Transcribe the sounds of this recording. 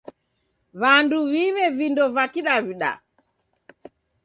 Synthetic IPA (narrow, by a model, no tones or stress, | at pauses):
βanduβiβɛvindɔvakiɗaviɗa̰